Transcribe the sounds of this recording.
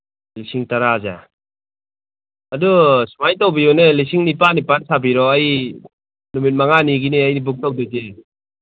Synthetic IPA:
lisiŋtaɾaza̰ | ɐdusumajtawbijonelisiŋnipanipansabiɾɔaj | numit̚maŋaniɡineajnibuk̚tawdɯze

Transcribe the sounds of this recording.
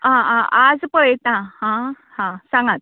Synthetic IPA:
ɦããʔad͡zpəɭɛt̪ãhã | hãsãŋɡat̪̚

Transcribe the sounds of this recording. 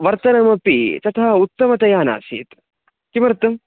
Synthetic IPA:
ʋɐɾt̪ɐnɐmɐpit̪ɐt̪ʰaut̪ːɐmɐt̪ɐjaːna̰ːsḭːt̪ | kimɐɾɐt̪ːɐm

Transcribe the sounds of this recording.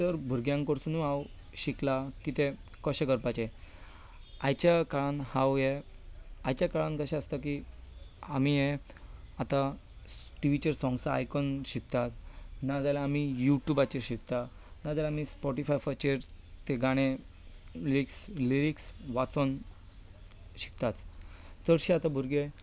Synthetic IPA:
t̪əɾbʱuɾɡjãŋkəɽsunũɦaw | ɕiklakit̪ekəɕekəɾpat͡ɕe | ajt͡ɕakaɭanhawje | ajt͡ɕjakaɭãnkəɕɛ̃əst̪aki | amije | at̪a | ʈiʋit͡ɕəɾsɔ̃ŋɡsaa̰jkɔnɕik̚t̪at̪nad͡zalaːmijuʈjubat͡ɕeɾɕikt̪a | nad͡zalaamispɔʈifajfat͡ɕeɾt̪eɡaɽ̃e | liɾiksliɾiksʋat͡sɔn | ɕi̥k̚t̪at͡s | t͡səɽɕiat̪abʱuɾɡe

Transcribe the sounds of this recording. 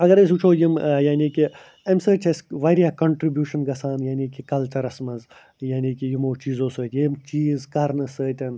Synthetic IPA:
ɐɡɐɾɐs̬ʲut͡ʃʰoːjimjaːniːki | ɐmsəːtʰʲɐsʲʋaːɾijaːkɐɳʈɾibjuːʃɐnɡɐsaːnjaːnikikɐlt͡ʃɐɾɐsmɐz | jaːniːkijimoːt͡ʃiːzoːsəːt̪ʲjemt͡ʃiːzkɐɾnɨsəːt̪ʲɐn

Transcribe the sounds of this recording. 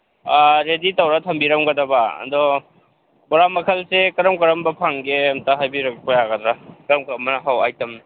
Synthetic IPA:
aɾeditɐwɾatʰɐmbiɾɐmɡɐdɐbaɐ̰ndɔ | bɔɾamɐkʰɐlsekɐɾɐmkɐɾɐmbɐpʰaŋɡeɐmtaɦajbiɾɐkpojaɡɐdɾakɐɾɐmkɐɾɐmɐnaɦawa̰jtɐmn

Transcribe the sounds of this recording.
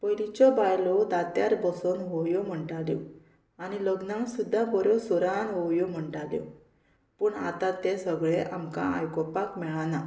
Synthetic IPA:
pəjlit͡ɕɔbajlɔd̪at̪jaɾbɔsɔnɦɔwjɔm̤əɳʈaljɔ̰ | aniləɡnãŋksud̪ʱːabɔɾjosɔɾanɦɔwjɔm̤əɳʈaljɔ̰ | pəːɳa̰t̪at̪esəɡɭeʔamkã̰a̰jkɔpakmɛɭana

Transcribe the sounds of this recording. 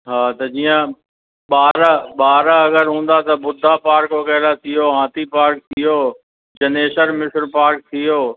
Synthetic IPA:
ɦaːt̪ɐd͡ʑiːjə̃ | ɓaːɾɓaːɾɐɡəɾɦũːn̆d̪at̪ɐbʊd̪ʱːapaːɾkokɐːlat̪ʰɪjoːɦãːt̪ʰipaːɾk̚t̪ʰijoː | d͡ʑɐneːʃəɾmɪsɾpaːɾk̚t̪ʰijoː

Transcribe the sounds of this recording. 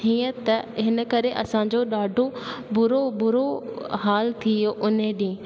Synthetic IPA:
iːə̃t̪ɐɦɪnə̆kɐɾeʔɐ̰sãɲ̆d͡ʑoɗaːɖʱobʊɾobʊɾoɦaːlt̪ʰijoʔʊnẽɗĩː

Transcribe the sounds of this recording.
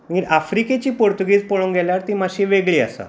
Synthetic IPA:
iʔafɾiket͡ɕiːpoɾt̪uɡiːd͡zpoɭõŋɡɛljaɾt̪imaɕiʋeɡɭiːa̰sa̰

